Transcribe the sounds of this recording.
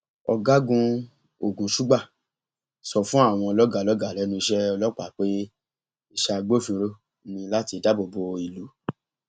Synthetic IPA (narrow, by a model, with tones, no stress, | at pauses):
ɔ̰˧ɡa˦ɡũ˧ | o˨ɡũ˨ʃu˦ɡ͡ba˦˨ | sɔ˧fũ˦a˦˨w̃ɔ̃˧lɔ˦ɡa˦˨lɔ˦ɡa˨ɾɛ˨˦nũ˧i˧˦ʃɛ˦ɔ˧lɔ˦k͡pa˦˨k͡pe˦ | i˧˦ʃa˧ɡ͡bo˦fĩ˧ɾo˦ | nĩ˧la˦ti˨˧˨da˦bo˨bo˧i˨lu˨˦